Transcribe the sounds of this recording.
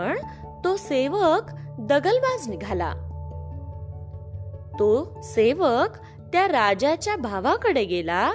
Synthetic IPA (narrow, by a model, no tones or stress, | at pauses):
əɳ | t̪oseʋəkd̪əɡəlbad͡zniɡʱala̰ | t̪o | seʋək | t̪jaɾad͡ʑat͡ɕjabʱaʋãkəɽeɡela